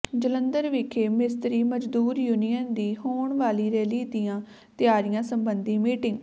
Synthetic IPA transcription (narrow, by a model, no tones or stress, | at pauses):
d͡ʒələnd̪əɾʋikʰeːmɪst̪ɾiːməd͡ʒd̪uːɾjuːnijənd̪iːɦoːɳʋaːliːɾɛːliːd̪ijãː | t̪ɪjaːɾɪjãːsəmbənd̪iːmiːʈɪŋɡ